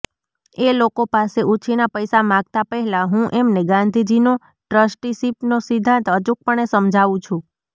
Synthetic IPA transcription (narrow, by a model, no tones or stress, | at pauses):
elokopaseʔut͡ʃʰinapəjsamãɡ̚t̪apəɦɛlaɦũʔemneɡãnd̪ʱid͡ʒino | ʈɾəsʈisipnosid̪ʱːãnt̪ət͡ʃuk̚pəɳesəmd͡ʒʱaʋũt͡ʃʰũ